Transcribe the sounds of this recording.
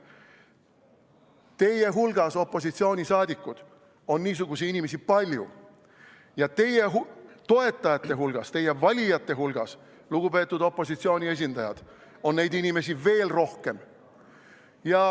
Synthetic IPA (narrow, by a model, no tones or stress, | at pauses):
t̪e̞je̞ɦulɡ̥ɑso̞pːˑo̞s̬it̪sio̞ːnʲisɑːd̪̥ʲikːˑud̪̥ | o̞nːiːs̬uɡ̥usiinimes̬ipɑlʲjṵ | jɑt̪e̞je̞ɦt̪o̞e̞t̪ːˑɑjɑt̪ːe̞ɦulɡ̥ɑst̪e̞je̞vɑlʲijɑt̪ːˑe̞ɦulɡ̥ɑs | luɡ̥upe̞t̪ːˑud̪o̞pːˑo̞sit̪sio̞ːnʲie̞s̬ʲind̪ɑjɑ̰d̪̥ | o̞nːe̞jd̪inʲime̞sive̞ːlro̞hke̞m | jɑ